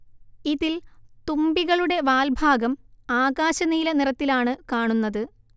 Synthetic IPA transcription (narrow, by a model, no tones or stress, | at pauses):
iðilt̪umbiɣɐɭuɽe̞ʋaːlbʱaːɡɐmaːɡaːɕɐniːlɐnirɐt̪ːilaːɳɨkaːɳunːɐðɨ